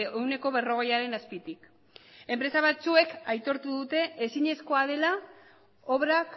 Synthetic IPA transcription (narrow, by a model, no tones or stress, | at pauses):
ewne̞ko̞βe̞ro̞ɣ̞ejaɾe̞naspit̪ik | e̞mpɾe̞saβ̞at͡sue̞kajt̪o̞ɾt̪uðut̪e̞ːsiɲe̞sko̞aðe̞la | o̞βɾak